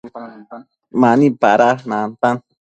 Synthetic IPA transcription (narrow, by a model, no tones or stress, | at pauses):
manipaɾasnant̪an